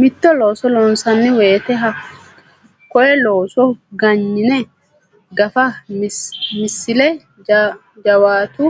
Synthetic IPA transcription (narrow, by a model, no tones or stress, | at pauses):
mɪt̪ːɔloːsɔlɔnsɐnːɪweːt̪ɛɦɐ | kɔʔɛloːsɔɡɐɲːɪnɛ | ɡɐfɐ | mɪsːɪlɛ | d͡ʒɐwaːt̪ʊ